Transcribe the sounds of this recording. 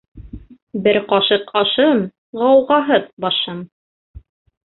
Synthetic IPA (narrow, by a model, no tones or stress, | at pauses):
bɘɾqɑʃɤqɑʃɤm | ʁɑwʁɑɦɤð̚bɑʃɤm